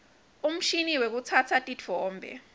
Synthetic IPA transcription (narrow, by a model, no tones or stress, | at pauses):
um̩ʃiniwek̬ut͡sʰat͡sʰatʼitʰɔːmbʱɛ̰